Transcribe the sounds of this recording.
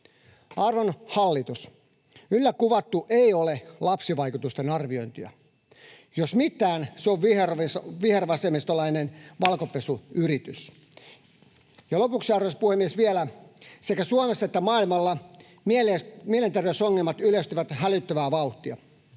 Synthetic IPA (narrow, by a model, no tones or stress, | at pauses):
ɑrʋonhɑlːit̪us | ylːækuʋɑt̪ːuʔeiolelɑpsiʋɑikut̪ust̪enɑrʋio̞jnt̪iɑ̰ | josmit̪ːˑæːnseoʋʋiersʋiherʋɑsemist̪olɑinenʋɑlkopesuyrit̪ys | jɑlopuksiɑrʋespuhemːiesʋielæsekæsuomesːɑet̪ːæmɑːilmɑlːɑ | milemielent̪erʋeysoŋːelmɑt̪yløst̪yʋæt̪hælyt̪ːøʋæːʋɑuht̪iɑ